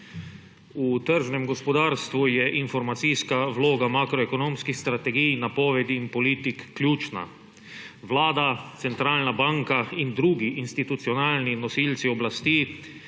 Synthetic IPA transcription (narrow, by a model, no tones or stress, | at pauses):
ut̪əɾʒnɛmɡɔspɔd̪aːɾst̪ʋujɛʔinfɔɾmat̪siskaʋloːɡamakɾɔɛkɔnoːmskixst̪ɾat̪ɛɡijnapɔːʋɛd̪iːnpɔliːt̪ikːljuːt͡ʃna̰ | ʋlaːd̪at̪sɛnt̪ɾaːlnabaŋkaind̪ɾuːɡiʔinst̪it̪ut̪siɔnaːlninɔsiːlt̪siɔblast̪iː